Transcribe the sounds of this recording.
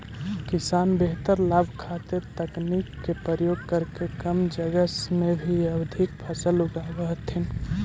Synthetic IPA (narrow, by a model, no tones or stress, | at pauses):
kisanbeɦt̪əɾlabʱkʰat̪eɾt̪əknikːepəɾjoɡ̚kəɾkekəmd͡ʒəɡəsmebʱiəbd̪ʱikpʰəsəluɡabəɦt̪ʰin